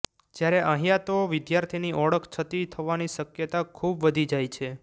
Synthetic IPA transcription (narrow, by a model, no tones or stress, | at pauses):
d͡ʒjaɾeʔəɦijat̪oʋid̪jaɾt̪ʰiniʔɔɽəkʰt͡ʃʰət̪it̪ʰəʋaniʃəkjət̪akʰubʋəd̪ʱid͡ʒajt͡ʃʰe